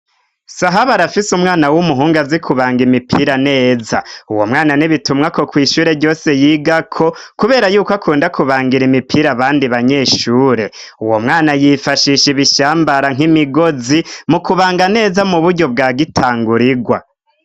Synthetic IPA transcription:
saɦaβaɾafisumŋaːnawumuɦuːŋɡazikʰuβaːŋɡimipʰiɾane̞ːza̰uwo̞̰mŋaːnaniβitumŋako̞kwiːʃuːɾe̞ɾɟo̞ːse̞jiːɡakʰo̞kuβe̞ːɾajuːkakʰuːndakuβaːŋɡiɾimipʰiːɾaβaːndiβaɲe̞ʃuːɾe̞ | uwomŋaːnajifaʃiʃiβiʃaːmbaɾaŋ̥imiɡo̞zimukuβaːŋɡane̞ːzamuβuɾɟo̞b̚ɡaːɡitʰaːŋɡuɾiɡwa̰

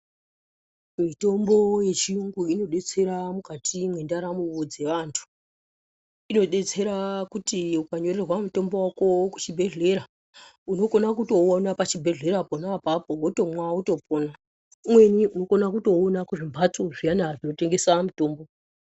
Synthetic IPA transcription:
mito̞mbo̞je̞t͡ʃiuŋɡuino̞ɗe̞t͡se̞ɾamukatʰimwe̞ndaɾamuʋod͡ze̞ʋantʰu̥ | ino̞ɗe̞t͡se̞ɾakutiukaɲo̞ɾe̞rwamuto̞mbo̞wakoku̥t͡ʃibʱe̞ɮe̞ɾa | uno̞ko̞nakuto̞onapat͡ʃibʱe̞ɮe̞ɾaponapapoɡʱoto̞mwauto̞pona | mwe̞niuno̞konakuto̞ːnakuʐimbʱat͡soʐijanaʐino̞te̞ŋɡe̞samuto̞ːmbo

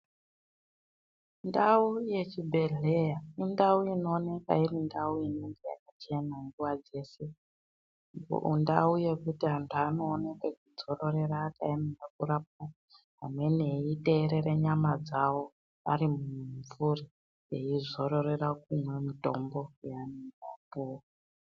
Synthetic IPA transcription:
ndauje̞t͡ʃibʱe̞ɮe̞jaindauino̞ːne̞ka̰irindauiniŋɡeja̰kat͡ʃe̞naŋɡuwad͡ze̞ːse̞ | ṵndauje̞kutiɦantʰuano̞ːne̞kwekud͡zo̞ro̞ɾe̞raːkaemeɡakurap̚a | ɦamwe̞ne̞ite̞ːɾeɾeɲamad͡zawo̞ | aɾimuɱvuri | eizo̞ɾo̞re̞rak̚umwe̞mito̞̰mbo̞janiapu

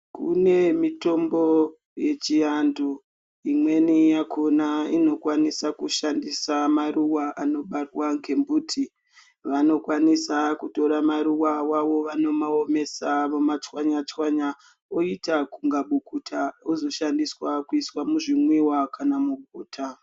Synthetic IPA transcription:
kṵne̞mito̞mbo̞ | je̞t͡ʃijandu | imwe̞nijakʰonaino̞kwanisakuʃandisamaruwaʔano̞ɓarwaŋkʰe̞mbuːtʰi | ʋano̞kwanisakuto̞ɾamaɾuwawaʋo̞ʋano̞maome̞samumat͡ʃwaɲat͡ʃwaɲa | oitakuŋɡaɓukutʰaozo̞ʃandiswakuiswamuʐimwiwakanamuɡʱuːtʰa

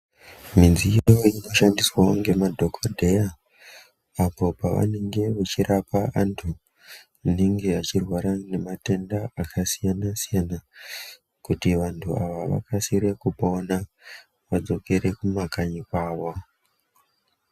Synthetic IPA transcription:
minzijojoino̞ʃandiswaoŋɡe̞madʱo̞kodʱe̞ja | apo̞paʋa̰ne̞ŋɡe̞ʋat͡ʃirapaantʰu | ineŋɡe̞at͡ʃirwaɾane̞mate̞ndaakʰasijanasijana | kutiʋantʰuaʋaʋa̰kasiɾekupaona | ʋad͡zo̞ke̞ɾe̞kumakaɲikwaːʋo

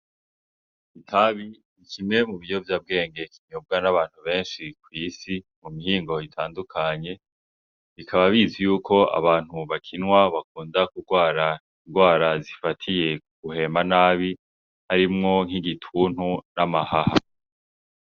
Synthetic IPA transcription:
itʰaβi | ikimŋe̞muβijo̞vjaːb̚ɡe̞ːŋɡe̞kʰiɲɲub̚ɡanaβaːn̥huβe̞ːnʃikwiːsimumihiːŋɡo̞itʰaːndukʰaɲe̞ | βikʰaβaβizijuːkʰo̞a̰βaːn̥huβakʰinwaβak̚uːndakuɡwaːɾa | inɡwaːɾazifatʰije̞ | ɡ̥uhe̞ːmanaːβi | haɾimŋo̞ŋhiɡitʰuːn̥hunamahaha̰

